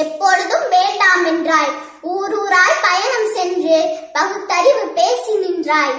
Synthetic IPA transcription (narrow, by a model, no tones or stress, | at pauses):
ɛpːɔɻɯðɯmʋeːɳɖaːmɛndraːl | uːɾuːɾaːlpɐjɐɳɐmsɛndrɯpɐɣɯt̪ːɐɾɪʋɯpeːsɪnɪndraːɭ